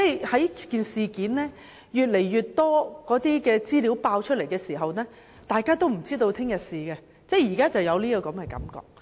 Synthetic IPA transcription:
t͡sɛ˥jhɐ˨˥jkiː˨nsiː˨kiː˨˥nnɛː˥ | jyː˨t̚le˨˩jːyː˨tt̪ːɔː˥kɔː˨˥t̪iː˥kɛː˧t͡siː˥li˨˥wpaː˧wt͡ʃʰɵ˥t̚le˨˩jkɛː˧siː˨˩ɦɐ˨wnɛː˥ | t̪aː˨jkaː˥t̪o˥wm̩˨˩t͡siː˥t̪o˧wt̪ʰɪ˥ŋjɐ˨t̚siː˨kɛː˧ | t͡sɛː˥˩jiː˨˩kaː˥t͡sɐ˨wjɐ˨˧wliː˥kɔː˧kɐ˨˥mkɛː˧kɐ̰˨˥mkɔ̰ː˨k̚

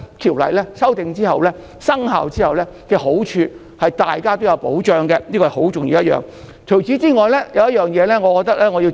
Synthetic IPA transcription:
t̪ʰiː˨˩wlɐ̰˨˩jlɛː˥sɐ˥wt̪ɪ˨ŋt͡siː˥hɐ˨˩wlɛː˥ | sɐ˥ŋha̰ː˨wt͡siː˥hɐ˨wlɛː˥kɛː˧ɦo˨˥wt͡ʃʰyː˧ | hɐ˨jt̪aː˨jkaː˥t̪o˥wjɐ˨˧wpo̰˨˥wt͡ʃœː˨˧ŋkɛ˧niː˥kɔ˧˨˩ho˨˥wt͡sʊ˨ŋjḭ˧wjɐ˥jœ̰ː˨ŋ | tʰɵ˨˩wt͡siː˨˥t͡siː˥ŋɔː˨jlɛː˥jɐ˨˧wjɐ˥jœː˨˩ŋjɛː˨˧lɛː˥ŋɔː˨˧kɔ˧k̚t̪ɐ˥k̚lɛː˥ŋɔː˨˧ji˧w

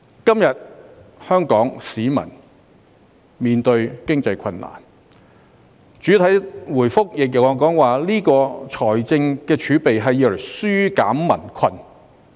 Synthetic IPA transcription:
kɐ˥mjɐ˨t̚hœː˥ŋkɔː˨˥ŋsiː˨˥mɐ̰˨˩n | miː˨nt̪ɵ˧ɥkɪ˥ŋt͡sɐ˧jkʰɐ˧nla̰ː˨˩n | t͡ʃyː˨˥t̪ʰɐ˨˥jwuː˨˩jfʊ˥k̚jɪ˨k̚jɐ˨˩wɔ˨˩kɔː˨˥ŋwaː˨liː˥kɔː˧t͡ʃʰɔː˨˩jt͡sɪ˧ŋkɛː˧t͡ʃʰyː˨˧˥pe˨jɦɐ˨jːiː˧wlɐ˨˩jsyː˥ka̰ː˨˥mmɐ̰˨˩nkʰɐ˧n

